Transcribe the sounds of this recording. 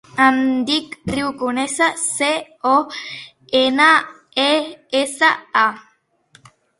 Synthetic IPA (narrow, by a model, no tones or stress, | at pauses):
ãnd̪ikriukunesase | o | ena | eesaa